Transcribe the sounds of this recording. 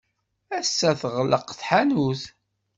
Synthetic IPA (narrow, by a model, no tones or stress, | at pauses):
æsːæθəʁləqθħanuθ